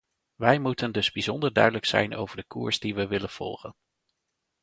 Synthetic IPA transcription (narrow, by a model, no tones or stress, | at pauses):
ʋɛjmutəndɵzbizɔndəɹdœ̰ɥdələksɛ̰jnʔo̰wvəɹdəkṵːɹzdiʋəʋɪlənv̥ɔ̰lˠχə̰n